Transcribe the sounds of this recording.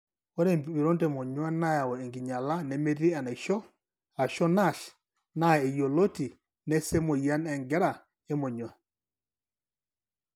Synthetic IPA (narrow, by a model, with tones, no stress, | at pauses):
ɔ˦ɾɛ˦mbbi˨ɾɔ˦ntɛ˨mɔ˨ɲwa˦na˦ja˨wɔ˨ɛ˨ŋɡi˨ɲa˨la˦nɛ˨me˦ɾi˦a˨na˨ʃɔ˦ | a˨ʃɔ˦na˦˨ɬ | na˦˨ɛ˨jo˨lo˦ti˨ | nɛ˦sɛ˦mɔ˨ja˦nɛ˨ŋɡɛ˦ɾa˨ | ɛ˦mɔ˨ɲwa˦˨